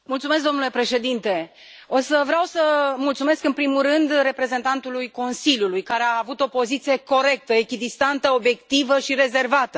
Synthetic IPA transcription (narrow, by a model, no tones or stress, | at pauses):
mult̪sumesk̚d̪o̞nule̞pɾe̞ʃe̞d̪int̪e̞ | o̞səvɾeawsəmult̪sume̞skɨnpɾimurɨnd̪re̞pɾe̞ze̞nt̪ant̪ulujko̞nsiljulujkaɾeaːvut̪o̞po̞zit̪sije̞ko̞ɾe̞k̚t̪əekʲid̪ist̪ant̪əo̞bje̞kt̪ivəʃiɾe̞ze̞rvat̪ə